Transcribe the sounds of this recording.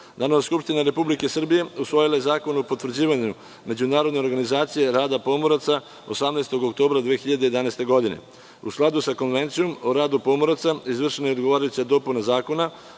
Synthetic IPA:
d̪anoaskupʃt̪inaɾe̞publike̞sr̩bije̞usʋo̞jilaje̞zaːko̞nopo̞t̪ʋr̩d͡ʑiːʋaɲu | me̞d͡ʑunaːɾod̪ne̞o̞ɾɡanizaːt̪sije̞ɾaːd̪apo̞mo̞ɾat̪sa | osamnest̪o̞ɡokt̪o̞ːbɾad̪ʋeːxiʎad̪e̞je̞d̪anast̪e̞ɡo̞d̪ine̞̰ | usklad̪usako̞nʋe̞nt̪sijomoɾaːd̪upo̞moɾat̪saizʋr̩ʃenojed̪ɡo̞ʋaːɾajut͡ɕiad̪o̞punazaːko̞na

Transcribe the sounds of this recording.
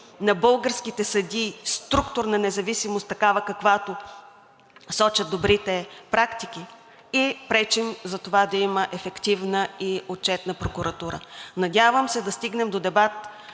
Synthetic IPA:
nɐbɤlˠɡəɾskit̪ɛsɐd̪ist̪ɾukt̪oɾnɐnɛzɐvisimost̪ːɐkavəkɐkvat̪o | sɔt͡ʃɐd̪obɾit̪ɛpɾakt̪ik̟i | ipɾɛt͡ʃimzɐt̪ovad̪ɐiməʔɛfɛkt̪ivnəiot̚t͡ʃɛt̪nəpɾokuɾɐt̪uɾə̰nɐd̪ʲavəmsɛd̪ɐst̪iɡnɛmd̪od̪ɛbat̪

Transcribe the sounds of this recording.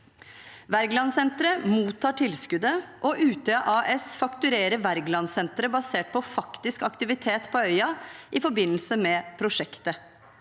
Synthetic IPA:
ʋæɾɡlɑnsɛnt̪ɾəmuːt̪ʰːɑːʈʰɪlskʉd̪əʔɔʔʉːt̪əɑʔɑːʔɛsfɑkt̪ʉɾeːɾəʋæɾɡlɑnsɛnt̪ɾəbɑseːʈ̚pɔfɑkt̪ɪskɑkt̪ɪʋɪt̪ʰeːt̪pʰɔœʏɑʔɪfɔɾbɪnːəlsəmɛpʰɾʊʂɛkt̪ə

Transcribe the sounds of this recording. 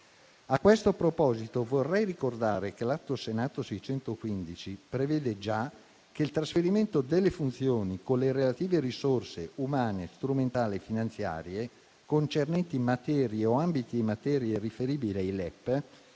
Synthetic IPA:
akːwest̪opɾopɔːzit̪ovorːɛjrikord̪aːɾekelat̪ːosenaːt̪osɛjt͡ʃɛnt̪okwind̪it͡ʃipɾevɛːd̪ed͡ʒa | keilt̪ɾasfeɾiment̪od̪elːefunt̪sjoːnikonleɾelat̪iːveɾisorseumaːnest̪ɾument̪aːliefinant̪sja̰ːɾje | kont͡ʃernɛnt̪imat̪ɛːɾjeoambit̪iimːat̪ɛːɾjerifeɾiːbiliajlɛpː

